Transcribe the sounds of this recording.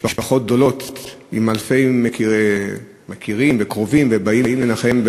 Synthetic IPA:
paʃpaχo̞t̪̚ɡ̚d̪o̞lo̞t̪timalfe̞jmeke | mekiʁimvekʁovimvebaiimlenaχemb

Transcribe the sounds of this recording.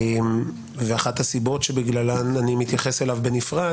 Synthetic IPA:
m | veaχat̪hasibo̞tʃebiɡlalananimit̪jaχe̞selavbenifʁa

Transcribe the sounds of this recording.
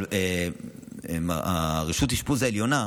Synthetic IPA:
e | maʁiʃut̪iʃpuzaeljo̞na

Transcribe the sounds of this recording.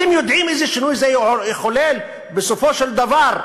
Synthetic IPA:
ɪmjʊd̪ʕiːmʔɪzɪʃːɪnuːjzæjxʊleːl | bɪsofoːʃɪld̪ɑvɑːɾˤ

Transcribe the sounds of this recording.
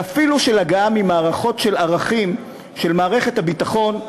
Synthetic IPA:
afiluʃelaɡaamimaːʁaχo̞tʃe̞laʁaχim | ʃe̞lmaːʁe̞χethabitaχo̞n

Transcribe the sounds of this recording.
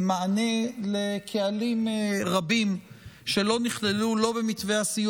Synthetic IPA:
maanelekʰealimʁabimʃe̞lo̞niχlelulo̞bemit̪vehasiju

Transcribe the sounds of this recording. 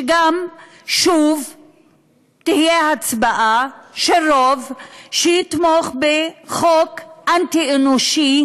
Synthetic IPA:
ɡam | ʃuv | t̪ihijehat͡sbaʔaʃeɾovʃejit̪moχbeχokʔant̪ienoʃi

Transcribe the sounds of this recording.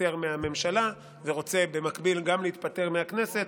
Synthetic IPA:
e̞ʁmeame̞mʃala | veʁo̞t͡se̞be̞makbilɡamleit̪̚pate̞ʁmeakne̞se̞t̪

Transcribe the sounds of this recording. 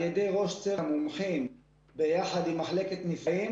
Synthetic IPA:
jed̪ejʁo̞ʃt͡semumħim | bejaħad̪imːaħleket̪nifim

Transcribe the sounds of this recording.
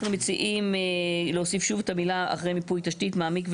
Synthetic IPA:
χnumet͡siʔimleosifʃuvetamilaa̰χʁejmipujtaʃtitmaːmikv

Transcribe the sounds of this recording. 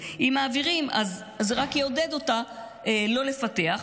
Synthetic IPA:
imaːviʁimaz | zeʁakjeodedota | elo̞le̞fate̞aχ

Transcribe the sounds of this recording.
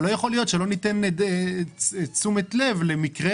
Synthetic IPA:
lo̞jaχo̞lijo̞t̪ʃelo̞nit̪end | t͡sumet̪le̞vlemikʁe

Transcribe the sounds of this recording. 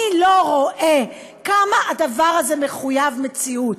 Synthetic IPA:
ilo̞ʁoʔe | kamaʔadavaʁazeme̞χujavme̞t͡siut

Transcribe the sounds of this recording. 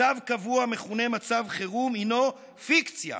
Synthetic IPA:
avkavuame̞χune̞mat͡savχeʁumino̞ | fikt͡sja̰

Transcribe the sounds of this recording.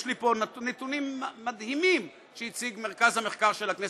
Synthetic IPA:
ʃlipo̞net̪unimːad̪himim | ʃejit͡siɡme̞ʁkazhame̞χkaʁʃelakne

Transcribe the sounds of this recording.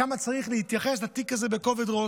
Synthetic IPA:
amat͡saʁiχləhit̪jaχɛs̬latikazɛbekovedʁo

